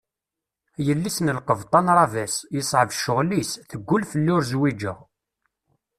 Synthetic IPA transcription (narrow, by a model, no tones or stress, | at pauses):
jəlːisnəlqəvt̪ˤɑnɾˤɑvæsjəsˤʕəvʃʊʁlisθəɡʷːʊlfəlːʊɾzwid͡ʒəʁ